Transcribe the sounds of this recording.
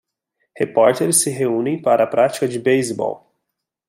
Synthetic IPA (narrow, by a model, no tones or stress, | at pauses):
hepɔɾt̪eɾsɪɦeũnẽj̃paɾɐːpɾʔat͡ʃi̥kɐd͡ʒɪbejzbɔ̰l